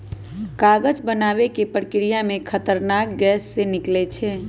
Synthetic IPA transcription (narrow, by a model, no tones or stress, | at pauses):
kaɡəd͡ʒbənaʋekepɾəkɾijamẽkʰət̪əɾnak̚ɡɛːsːenɪklet͡ʃʰɛ